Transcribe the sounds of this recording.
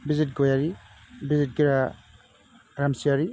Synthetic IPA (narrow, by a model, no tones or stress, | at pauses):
bizit̚ɡojaɾi | bizit̚ɡiɾa | ɾamsijaɾi